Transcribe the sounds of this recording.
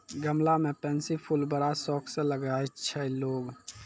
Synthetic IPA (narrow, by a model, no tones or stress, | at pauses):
ɡəmlamepɛnsipʰulbəɾasɔkʰsẽləɡajt͡ʃʰɛloːɡ